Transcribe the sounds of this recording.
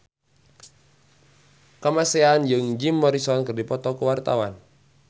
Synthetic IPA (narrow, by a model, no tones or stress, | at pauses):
kəmaseand͡ʒɨŋd͡ʒimːɔɾisɔnkərdipɔt̪ɔkuwart̪a̰wan